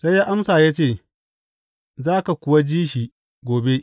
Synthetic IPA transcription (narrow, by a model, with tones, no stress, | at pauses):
sa˦jaː˦ʔa˦msaː˨jaː˦t͡ʃeː˦˨ | zaː˦ka˨kʷʊ˨wa˦d͡ʒiː˦ʃiː˨ | ɡʷoː˨be˦ʔ